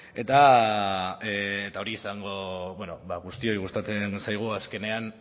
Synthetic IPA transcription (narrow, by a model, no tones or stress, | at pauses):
e̞t̪a | t̪ao̞ɾiːsaŋɡo̞beno̞baɣust̪io̞iɣust̪at͡sensajɣ̞uaske̞ne̞an